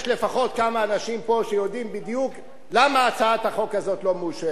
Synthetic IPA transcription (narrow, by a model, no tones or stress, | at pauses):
ʃle̞faχo̞t̪̚kamaːnaʃimpo̞ʃejo̞dimbid̪juk | lamaːt͡saat̪haχo̞kazo̞t̪lo̞muʃe